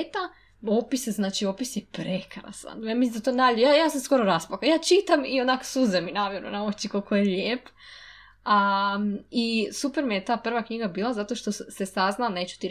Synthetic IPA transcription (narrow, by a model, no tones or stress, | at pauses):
t̪a | opisjeznaːt͡ʃiopisjepɾe̞kɾa̰sa̰njaːmisind̪at̪onaʎjaːjaːsamsko̞ɾoɾaspakajaːt͡ʃit̪amionako̥suzeminaʋjeɾṵnaot͡ʃikolkojeʎeːp | a | isupeɾmijet̪aːpr̩ʋakɲiɡabiːlˠazat̪oʃt̪o̞se̞saznane̞ːt͡ɕu̥t̪iɾ